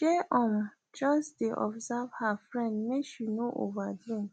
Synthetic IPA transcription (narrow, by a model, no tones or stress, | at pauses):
ʃeʔɔ̃m | d͡ʒɔsdeʔɔ̰bzavhafɹɛ̃ndneʃinoʔo̰vadĩm